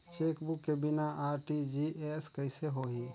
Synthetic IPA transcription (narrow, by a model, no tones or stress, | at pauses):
t͡ʃekbukːebinaʔaɾʈid͡ʒiʔɛskəɪseɦoɦi